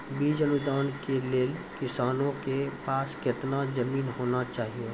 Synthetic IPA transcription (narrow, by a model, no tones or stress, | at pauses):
biːd͡ʒɐnʊd̪aːnkeleːlkɪsaːnõkepaːskɪt̪nazɐmiːnɦoːnat͡ʃaːɦieː